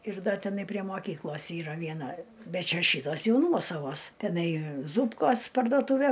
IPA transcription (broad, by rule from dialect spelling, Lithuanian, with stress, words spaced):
ɪr ˈdɐ tʲɛˈnɐɪ pʲrʲiɛ moːˈkʲiːklˠoːs ˈiːrɐ ʋʲiɛˈnɐ ˈbʲɛt ˈt͡ʃʲɛ ˈʃʲiːtoːs ˈjɛʊ ˈnuɔsɐʋoːs tʲɛˈnɐɪ ˈzuːpkoːs pɐrduɔˈtuːʋʲɛ